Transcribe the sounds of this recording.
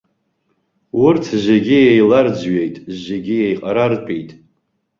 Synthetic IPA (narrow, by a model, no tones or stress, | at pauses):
wʊrtʰʒeɡʲijejlard͡zɥe̞jtʼʒeɡʲijejqʼaɾarpʼijtʼ